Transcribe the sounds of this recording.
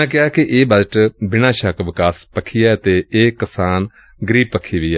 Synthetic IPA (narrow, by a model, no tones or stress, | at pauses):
ãːkɪaːkɪʔeːbəd͡ʒʈbɪnãːʃəkʋɪkaːspəkʰːiːɛːət̪eːeːkəsaːn | ɡəɾiːb̚pəkʰːiːʋiːɛː